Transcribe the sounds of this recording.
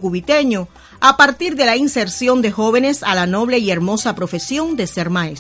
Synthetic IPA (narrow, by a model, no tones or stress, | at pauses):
kuβit̪e̞ɲo̞ | apaɾt̪iɾðe̞lainse̞ɾsjo̞nd̪e̞xo̞βe̞ne̞salano̞β̞le̞ie̞ɾmo̞sapɾo̞fe̞sjo̞nd̪e̞se̞ɾmaes